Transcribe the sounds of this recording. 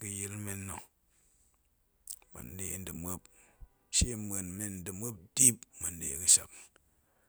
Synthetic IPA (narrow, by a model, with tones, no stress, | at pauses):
ki˧ji˦lme˦nːo˨ | ma̰˨n˦de˨n˦dɨ˨me˦p | ʃe˦e˨nme˦n˨˦dɨ˨mo˦p̚di˦pma˨n˦dḛ˨kɨ˦ʃa̰˨k